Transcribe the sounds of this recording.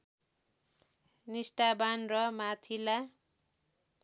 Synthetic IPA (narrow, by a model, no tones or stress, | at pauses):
nisʈabanrʌmat̪ʰila